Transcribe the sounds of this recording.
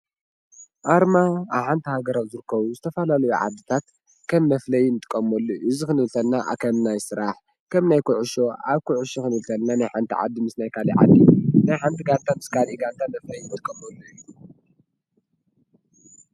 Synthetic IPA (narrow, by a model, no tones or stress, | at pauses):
ʔaɾmaːβħant̪ʰihaɡɐɾawzɨɾɨkʰːɐβuzɨt̪ʰɐfalalɐjuʕa̰d̪ɨt̪ʰat̪ | kʰɐmːɐflɐjnɨt̪ʼɨ̥kʼːɐmːolːoʔɨzikɨnɨlt̪ʰɐlːaʔkʰɐmnajsɨɾaħ | kʰɐmnajkʰuʕʊʃoʔaβkʰuʕuʃoxɨnɨlt̪ʰɐlnanajħant̪ʰḭʕa̰d̪ːimɨsnajkʰaliʕa̰d̪ːinajħant̪ʰiɡant̪ʰamɨskʰaliɡant̪ʰamɐflɐjnɨt̪ʼɨkʼɐmolːoilːu